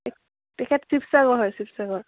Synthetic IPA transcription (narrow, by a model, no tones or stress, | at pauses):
ɛk | tɛkʰɛtsipsaɡɔɹɦɔjsipʰsaɡɔɹ